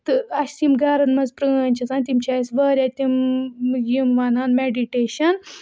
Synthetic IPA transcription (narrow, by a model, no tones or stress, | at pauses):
t̪ɨɐst̪imɡaːɾɐnmɐzpɾɨːnʲt͡ʃʰɐsaːnt̪imt͡ʃʰaːsʋɐːɾʲat̪imjimʋɐːnaːnmeɖiʈeːʃɐn